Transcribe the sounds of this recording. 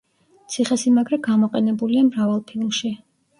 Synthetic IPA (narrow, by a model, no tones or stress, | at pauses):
t̪sʰiχɛsimaɡɾɛɡamɔqʼɛnɛbuliamɾavalˠpʰilˠmʃi